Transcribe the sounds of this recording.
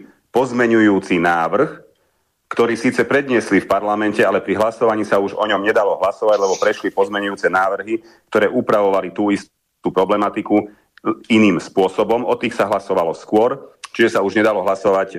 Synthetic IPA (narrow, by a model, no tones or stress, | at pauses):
pɔzmɛɲujuːt͡sinaːʋr̩x | kt̪ɔɾiːsiːt͡sɛpɾɛd̪ɲɪɛslifpaɾlamɛncɛalɛpɾiɦlasɔʋaɲiːsauʒɔ̰ɲɔmɲɛd̪alɔɦlasɔʋaɟlɛbɔpɾɛʃlipɔzmɛɲujuːt͡sɛnaːʋr̩ɦi | k̚t̪ɔɾɛːʔupɾaʋɔʋalit̪uːist̪ | upɾɔblɛmat̪iku | iniːmspʊɔsɔbɔmɔt̪iːxsaɦlasɔʋalɔskʊɔɾt͡ʃiʒɛsauʒɲɛd̪alɔɦlasɔʋac